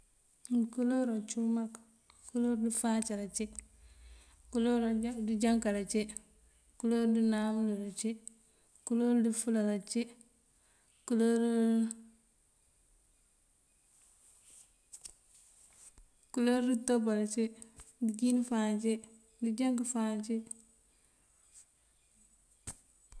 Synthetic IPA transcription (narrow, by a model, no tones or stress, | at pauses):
kuloɾot͡ʃumak | kuloɾdifaːt͡ʃiɾat͡ʃi | kuloɾdid͡ʒaŋkaɾat͡ʃi | kuloɾdinamuluɾat͡ʃi | kuloɾdifulaɾat͡ʃi | kuloɾ | kuloɾitobalat͡ʃidid͡ʒinfant͡ʃi | did͡ʒaŋkifant͡ʃi